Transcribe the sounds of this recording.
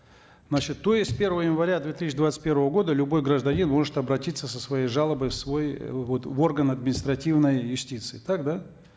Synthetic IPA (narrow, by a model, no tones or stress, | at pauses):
znat͡ɕɪt̪ːo̞jɪsʲpʲe̞rvəvəjɪnvɐɾʲad̪vʲet̪isʲːɪd̪vat̪ɨ̥t̪̚ʲpʲe̞ɾvəvəɡo̞d̪əlʲʊbo̞jɡɾəʐd̪ɐnʲinmo̞ʐɨt̪ɐbɾɐtʲit̪sːəsəsvɐjejʐalˠəbəjfsvo̞jvo̞t̪vo̞rɡənɐd̪mʲɪnʲɪst̪ɾɐtʲivnəjjʊsʲtʲit̪sɨɪt̪akd̪a